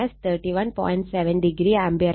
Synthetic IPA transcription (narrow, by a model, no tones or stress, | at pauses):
ɐst̪ʰəːɾʈiʋɐ̃npɔ̰̃ːɪ̃ɳʈsɛʋə̃nɖɪɡɾiːãmbiəɾ